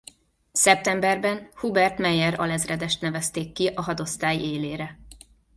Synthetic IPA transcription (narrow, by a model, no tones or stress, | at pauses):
sɛp̚t̪ɛmbɛrbɛnhubɛrt̪mɛjɛɾɒ̰lɛzrɛd̪ɛʃt̪nɛvɛst̪eːkːiʔɒɦɒd̪o̞st̪aːjeːleːɾɛ